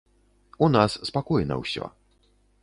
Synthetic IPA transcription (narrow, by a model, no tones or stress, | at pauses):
unasːpakujna̰wɕɛ̰